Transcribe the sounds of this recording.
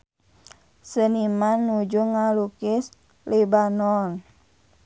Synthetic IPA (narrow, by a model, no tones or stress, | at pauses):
sənimanːud͡ʒuŋalukɪs | libanɔn